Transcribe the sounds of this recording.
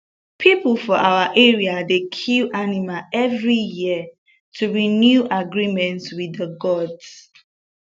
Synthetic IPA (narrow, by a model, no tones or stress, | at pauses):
pʰipulfɔʔawaʔɛɹiadekʰilʔanimaɛvɹijiə | tʰuɹinjuʔaɡɹimɛ̃ntswidəɡɔds